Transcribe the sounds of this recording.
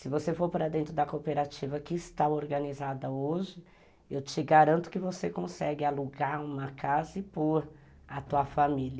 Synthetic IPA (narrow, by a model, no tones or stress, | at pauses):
sɪvosefoɾpɾɐd̪ẽnt̪ɾʊd̪ɐkopeɾat͡ʃivɐkɪːst̪aoɾɡɐnizad̪ɐoʒɪ | ewt͡ʃɪɡaɾɐ̃nt̪ʊ̥kɪvosekõsɛɡɪaluɡaɾũmɐkazɪpoɾ | ɐt̪uɐfamilɐ